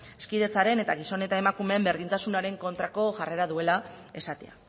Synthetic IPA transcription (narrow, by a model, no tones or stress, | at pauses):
e̞skiðe̞t͡saɾe̞ne̞t̪aɣ̞iso̞ne̞t̪ae̞makume̞ːmbe̞ɾð̞int̪asunaɾe̞ŋko̞nt̪ɾako̞ʝare̞ɾaðue̞lae̞sat̪ḛa̰